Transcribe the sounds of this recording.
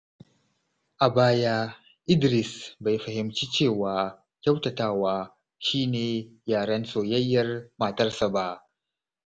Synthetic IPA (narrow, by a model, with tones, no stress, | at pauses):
ʔa˨baː˦jaː˦ | ʔɪ˦dɾɪ˨sba˨jɸɐ˨hɪ˨mt͡ʃiː˦t͡ʃeː˦˨waː˨ | kʲa˦wtɐ˨taː˦waː˦ | ʃiː˦neː˨jaː˨ɽɐ˦nsoː˨jɐ˦jːɐ˦rmaː˨tɐ˦rsa˨ba˦ʔ